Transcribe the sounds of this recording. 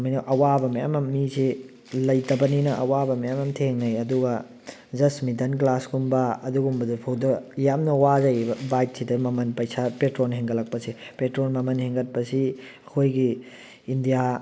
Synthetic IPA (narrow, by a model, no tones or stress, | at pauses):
mɐjnɐʔɐwabɐmɐja̰mɐmːisi | lɐjtɐbɐninɐʔɐwabɐmɐjamɐmtʰeŋnɐjɐduɡɐ | zɐsmidɐnklasɡumbɐɐduɡumbɐdupʰɐwdɐjamnɐwazɐjbɐbajt̚sidɐmɐmɐnpɐjsapetɾonɦeŋɡɐlːɐk̚pɐsipetɾonmɐmɐnheŋɡɐt̚pɐsi | ɐkʰojɡi | indija